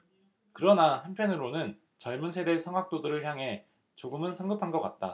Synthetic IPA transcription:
kɯɾʌnahampʰjʌnɯɾonɯn | t͡ɕʌɭmunsʰe̞de̞sʰʌŋɦwak̚t͈odɯɾɯɭçjaŋɦe̞ | t͡ɕoɡɯmɯnsʰʌŋɡɯpʰanɡʌk͈a̰t̚t͈a̰

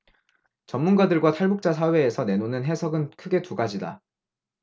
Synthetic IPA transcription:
t͡ɕʌmːunɡadɯɭɡwatʰaɭbuk̚t͡ɕ͈as̬ʰawe̞ːsʰʌnenonɯnɦe̞sʰʌɡɯnkʰɯɡe̞tuɡad͡ʑida̰

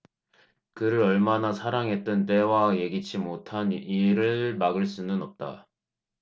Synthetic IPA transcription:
kɯɾɯɾʌɭmanasʰaɾaŋɦe̞t̚t͈ɯnt͈e̞waje̞ɡit͡ɕʰimotʰaniɾɯɭmaɡɯɭs͈unɯnʌp̚t͈a̰

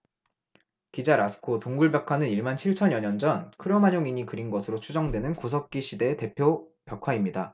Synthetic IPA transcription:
kid͡ʑaɾasʰɯ̥kʰotoŋɡuɭbjʌkʰwanɯniɭmant͡ɕʰiɭt͡ɕʰʌɲjʌɲʌnd͡ʑʌnkʰɯɾʌmaɲoŋiɲikɯɾinɡʌsʰɯɾot͡ɕʰud͡ʑʌŋdwe̞nɯnkus̬ʰʌk̚k͈iɕʰide̞ːte̞pʰjopjʌkʰwaimɲida

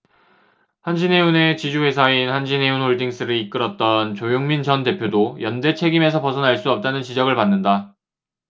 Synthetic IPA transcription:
hanɕʰine̞une̞t͡ɕid͡ʑuwe̞sʰainhanɕʰine̞unhoɭdiŋs͈ɯɾiik͈ɯɾʌt̚t͈ʌnt͡ɕojoŋmind͡ʑʌnte̞pʰjodojʌnde̞t͡ɕʰe̞ɡime̞s̬ʰʌpʌsʰʌnɦaɭs͈uʌp̚t͈anɯnt͡ɕid͡ʑʌɡɯɭpanːɯnda

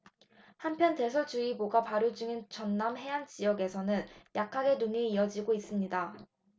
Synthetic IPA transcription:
hampʰjʌnte̞sʰod͡ʑuiboɡapaɾud͡ʑuŋint͡ɕʌnːamɦe̞and͡ʑijʌɡe̞sʰʌnɯnjʔakʰaɡe̞nuŋeiʌd͡ʑiɡois͈ɯmɲida

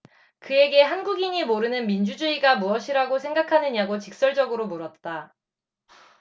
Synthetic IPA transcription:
kɯe̞ɡe̞ɦanɡuɡiɲimoɾɯnɯnmind͡ʑud͡ʑuiɡamuʌɕʰiɾaɡosʰe̞ŋɡakʰanɯɲaɡot͡ɕik̚s͈ʌɭd͡ʑʌɡɯɾomoɾʌt̚t͈a

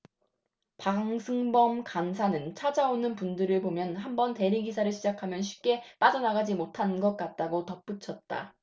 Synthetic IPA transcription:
paŋsʰɯŋbʌmkansʰanɯnt͡ɕʰad͡ʑaonɯnpundɯɾɯɭpomjʌnɦambʌnte̞ɾiɡis̬ʰaɾɯɭɕʰid͡ʑakʰamjʌnɕʰi̥p̚k͈e̞p͈ad͡ʑʌnaɡad͡ʑimotʰanɡʌk̚k͈at̚t͈aɡotʌp͈ut͡ɕʰʌt̚t͈a̰

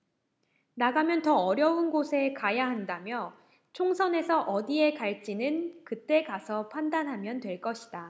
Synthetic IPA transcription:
naɡamjʌntʌʌɾjʌunɡosʰe̞kajaɦandamjʌ | t͡ɕʰoŋsʰʌne̞sʰʌʔʌdie̞kaɭt͡ɕ͈inɯnkɯt͈e̞kasʰʌpʰandanɦamjʌntwe̞ɭk͈ʌɕʰi̥d̥a

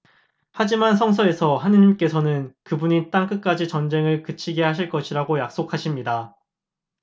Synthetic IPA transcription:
had͡ʑimansʰʌŋsʰʌe̞sʰʌɦaniɲimk͈e̞sʰʌnɯnkɯbuɲit͈aŋk͈ɯk͈ad͡ʑit͡ɕʌnd͡ʑe̞ŋɯɭkɯt͡ɕʰiɡe̞haɕʰiɭk͈ʌɕʰiɾaɡojak̚s͈okʰaɕʰimɲida

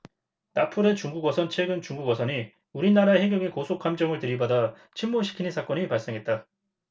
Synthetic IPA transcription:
napʰuɾe̞t͡ɕuŋɡuɡwʌsʰʌnt͡ɕʰwe̞ɡɯnt͡ɕuŋɡuɡwʌsʰʌni | uɾinaɾaehe̞ŋɡjʌŋikosʰokʰamd͡ʑʌŋɯɭtɯɾibada | t͡ɕʰimmoɕʰi̥kʰinɯnsʰak͈ʌnɲipaɭs͈eŋɦe̞t̚t͈a

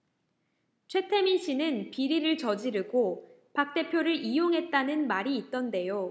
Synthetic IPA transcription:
t͡ɕʰwe̞tʰe̞minɕ͈ʰinɯnpiɾiɾɯɭt͡ɕʌd͡ʑiɾɯɡo | pak̚t͈e̞pʰjoɾɯɾʔijoŋɦe̞t̚t͈anɯnmaɾiːt̚t͈ʌnde̞jo

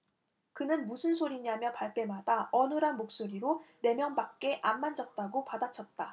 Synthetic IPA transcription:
kɯnɯnmusʰɯnsʰoɾiɲamjʌnpaɭp͈e̞madaʌnɯɾɦanmok̚s͈oɾiɾone̞mjʌnbak̚k͈e̞ʔamːand͡ʑʌt̚t͈aɡopadat͡ɕʰʌt̚t͈a

